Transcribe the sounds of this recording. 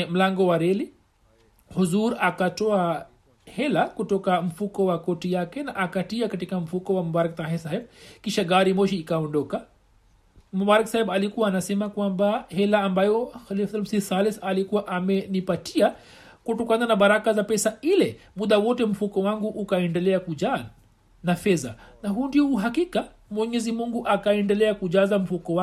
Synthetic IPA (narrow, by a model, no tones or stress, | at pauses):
m̩laŋɡɔwaɾɛli | huzuɾakatɔa | hɛlakutɔkam̩fukɔwakɔtijakɛnaʔakatiakatikam̩fukɔwamɔbaɾak̚t̪aɦɛsahɛbkiʃaɡaɾimɔʃiːkaɔndɔka | mubaɾaksahɛɓalikuwaːnasɛmakwambahɛlaːmbajɔxalifsalmsisalɛθalikuwaʔamɛnipatia | kutɔkananaɓaɾakazapɛsailɛmuɗ̪awɔtɛm̩fukɔwaŋɡuʔukaɛndɛlɛakud͡ʒa | nafɛza̰naɦundiɔuɦakika | mwɛɲɛzimuŋɡuʔakaɛndɛlɛakuʄazam̩fukɔwa